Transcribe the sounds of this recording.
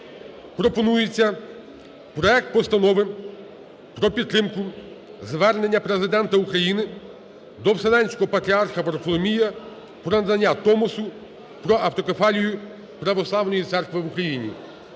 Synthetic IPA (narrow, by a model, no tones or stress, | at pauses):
pɾɔpɔnujet͡sʲːɐ | pɾɔɛk̚t̪̚pɔst̪ɐnɔʋɪ | pɾɔpʲid̪ːɾɪmkʊ | zʋɛrne̞nʲːɐpɾe̞zɪd̪ɛnt̪ɐukɾɐjinɪ | d̪ɔwselˠɛnʲsʲkɔɦɔpɐt̪ɾʲiarxɐpɾflˠɔmʲijɐ | pɾɔnɐd̪ɐnʲːat̪ɔmɔsʊ | pɾɔʔɐwt̪ɔkefɑlʲijʊ | pɾɐʋɔslˠɑwnɔjit̪sɛrkʋɪʋukɾɐjinʲḭ